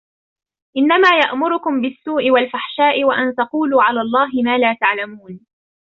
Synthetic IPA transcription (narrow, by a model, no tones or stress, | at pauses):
ʔɪnːamaːjaʔmʊɾʊkʊmbɪsːuːʔɪwalfaħʃaːʔɪwaʔant̪ɑquːluːʕalaːlˤːɑːɦɪmaːlaːt̪aʕlamuːn